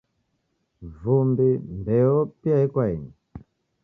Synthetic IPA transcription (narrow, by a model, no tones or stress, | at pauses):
vumbimbɛɔpiaikwaini